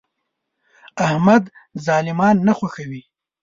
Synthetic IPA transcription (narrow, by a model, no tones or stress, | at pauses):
ahmad̪zɑːlɪmɑːnːaxwaxawi